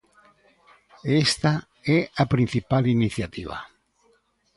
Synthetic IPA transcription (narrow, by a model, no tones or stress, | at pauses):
est̪a | ɛapɾin̟θipaliniθjat̪iβa̰